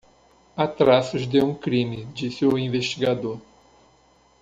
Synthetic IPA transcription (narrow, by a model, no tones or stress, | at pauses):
at̪ɾasʊzd̪eũkɾĩmɪd͡ʒisɪʊĩveʃt͡ʃiɡad̪oɾ